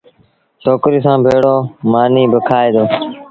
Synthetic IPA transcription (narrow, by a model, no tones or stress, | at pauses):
t͡ʃʰoːkɾiːsãːbʱeːɽoːmaːniːbəkʰaːeːd̪oː